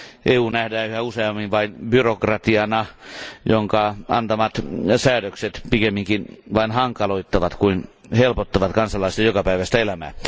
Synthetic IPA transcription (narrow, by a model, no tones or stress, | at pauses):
ʔeːuːnæhdæːyhæuseɑmːinʋɑinbyrokrɑt̪iɑnɑjoŋkɑɑ̰nt̪ɑmɑt̪sæːdøkset̪pikemːiŋkinʋɑinhɑŋkɑloit̪ːɑʋɑt̪kuin | helpot̪ːɑʋɑt̪kɑnsɑlɑˑisit̪ɑjokɑpæiʋæst̪æelæmæ̰ː